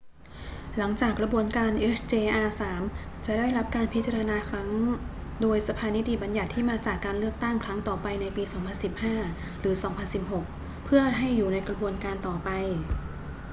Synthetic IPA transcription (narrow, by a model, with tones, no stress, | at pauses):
la˩˦ŋt͡ɕaː˨˩kːɾa˧bu˧ənkaː˧nʔe˦˥st͡ɕeː˧ʔaː˧saː˩˦m | t͡ɕa˨˩daː˥˩jɾa˦˥p̚kaː˧npʰi˦˥t̪̚t͡ɕa˧ɾa˧naː˧kʰɾa˦˥ŋdoː˧jsa˧pʰaː˧ni˦˥t̪ʰi˨˩ba˧nja˨˩t̪ʰːiː˥˩maː˧t͡ɕaː˨˩kːaː˧nlɯ˥˩ək̚t̪a˥˩ŋkʰɾa˦˥ŋt̪ɔː˨˩pa˧jna˧jpiː˧sɔː˩˦ŋpʰa˧nsi˨˩p̚haː˥˩ | ɾɯː˩˦sɔː˩˦ŋpʰa˧nsi˨˩p̚ɦo˨˩k̚ | pʰɯ˥˩ɐɦa˥˩jːuː˨˩na˧jkɾa˧bu˧ənkaː˧nt̪ɔː˨˩pa˧j